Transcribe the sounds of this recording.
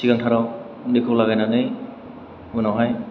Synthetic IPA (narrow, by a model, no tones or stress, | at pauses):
sʰikaŋtʰaɾaw | dikʰɔklaɣajnanɯj | unaɦaj